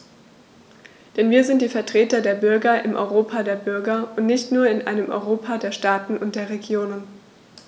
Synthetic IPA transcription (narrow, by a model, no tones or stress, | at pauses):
d̥ɛnviːɐzɪnt̚d̥iːfɛɐtʁ̥eːtɐdeːɐbʏɐɡɐʔɪmʔɔ̰ʏʁoːpʰadeːɐbʏɐɡɐʊntnɪçtnuːɐɪnʔa̰ɪnəmʔɔ̰ʏʁoːpʰadeːɐʃtaːtn̩ʔʊnt̚d̥eːɐʁeɡjoːnən